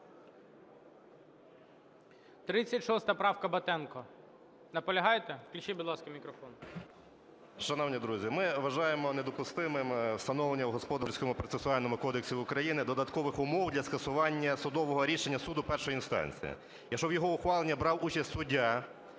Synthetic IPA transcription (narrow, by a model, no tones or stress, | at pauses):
t̪ɾɪt͡sʲːɐtʲʃɔst̪ɐpɾɑwkɐbɐt̪ɛnkɔ | nɐpɔlʲɐɦɑjt̪ɛklʲit͡ʃɪbid̪lˠɑskɐmʲikɾɔfɔn | ʃɐnɔwnʲid̪ɾuzʲimɪʋɐʒɑjemɔned̪ɔpʊst̪ɪmɪmwst̪ɐnɔʋlˠenʲːɐwɦɔspɔd̪ɐrʲsʲkɔmʊpɾɔt̪sesʊɑlʲnɔmʊkɔd̪eksʲiʊkɾɐjinɪd̪ɔd̪ɐt̪kɔʋɪxʊmɔwd̪lʲɐskɐsʊʋɑnʲːɐsʊd̪ɔʋɔɦɔɾʲiʃenʲːɐsud̪ʊpɛrʃɔjinst̪ɑ̰nʲt͡sʲḭjḭ | jɐkʃt͡ʃɔwjɔɦɔʊxʋɑlˠenʲːɐbɾɑwut͡ʃɐsʲtʲsʊdʲːa